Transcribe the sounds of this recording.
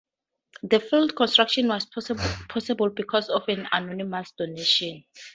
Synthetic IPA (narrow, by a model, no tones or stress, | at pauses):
ðəfildkʰɔ̃nstɹ̥akʃɔ̃nwɔspʰɔsɛbɔlbikʰɔsɔfɛ̃na̰nɔnimasd̥oneʃɔ̃n